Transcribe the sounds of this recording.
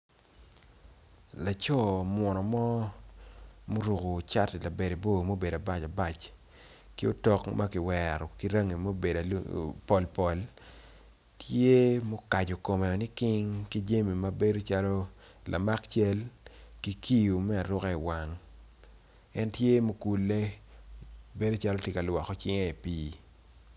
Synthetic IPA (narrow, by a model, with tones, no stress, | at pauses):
la˨t͡ʃɔ˦mwɔ˨nɔ˨mɔ˦ | mo˦ɾo˨ko˨t͡ʃa˦tla˨be˨de˨bo˦˨mo˦be˨da˨ba˦t͡ʃa˨ba˨t͡ʃ | kɪ˦o˦tɔ˦kma˦kɪ˨wɛɾɔ˨ki˦ɾa˦ŋe˨mo˦be˨da˨pɔ˨lpɔ˨l | tʰje˦mo˦ka˨d͡ʒo˨ko˨mɛ˨ɔ˨nɪ˦kɪ˦ŋki˦d͡ʒe˦mi˨ma˦be˦do˦t͡ʃa˦lɔ˦ | lʔa̰˨ma˦kt͡ʃɛ˦lki˦ki˦ju˨mɛ˦a˨ɾʊ˦kɛ˦i˨wa˨ŋ | ɛ˦ntje˦mo˦ku˨lːe˦ | be˦do˦t͡ʃa˦lo˦tɪ˦ka˨lwɔ˨kɔ˨˦t͡ʃɪ˦ŋe˦i˨piː˦